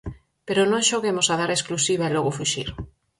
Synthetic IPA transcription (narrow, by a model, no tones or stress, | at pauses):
peɾonõŋʃoɣemosaðaɾesklusiβaelɔɣʊfuʃiɾ